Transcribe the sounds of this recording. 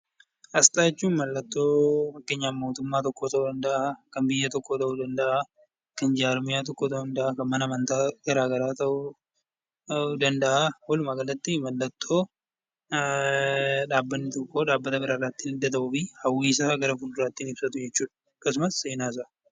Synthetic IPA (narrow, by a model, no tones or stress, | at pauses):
ʔɐst̪aːɛt͡ʃːuːnmɐlːɐt̪ːo̞ːfɐkːe̞ːɲːaːmo̞ːt̪ʊmːaːt̪ɔkːo̞ːt̪ɐʔud̪ɐnd̪ɐʔakɐmbɪjːɐt̪ɔkːo̞ːt̪ɐʔud̪ɐnd̪ɐʔa | kɐnd͡ʒaːɾmɪjaːt̪̬ɔkːoːt̪ɐʔʊnd̪ɐʔakɐmmɐnɐmɐnt̪aːɡɐɾaːɡɐɾaːt̪ɐʔʊ | ʊd̪ɐnd̪ɐʔawɐlʊmaːɡɐlːɐt̪ːɪmɐlːɐt̪ʰːo̞ː | ᶑaːbːɐnːɪt̪ɔkːo̞ːᶑaːbːɐt̪ɐbɪɾarːaːt̪ːiːnɪd̪ːɐt̪ɐʔuːfihɐwːiːs̬aɡɐɾɐfʊld̪ʊɾaːt̪ːiːnɪbsɐt̪ʊd͡ʒɛt͡ʃːuːᶑɐ̥ | ɐkːɐs̬ʊmɐsːeːnaːs̬a